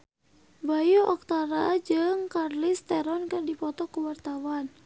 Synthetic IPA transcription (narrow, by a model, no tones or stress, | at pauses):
bajoʔɔk̚t̪aɾad͡ʒɨŋkarlist̪ɛɾɔnkɨrdipɔt̪ɔkuwart̪awan